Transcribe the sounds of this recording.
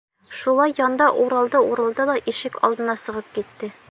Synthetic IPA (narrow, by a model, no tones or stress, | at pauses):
ʃulˠɑjːɒnd̪ɑʔuɾɑlˠd̪ɤuɾɤ̆lˠd̪ɑd̪ɒʔiʃɘkɒ̰lˠd̪ɤ̆nɑsɤ̆ʁɤp̚kit̪ːɘ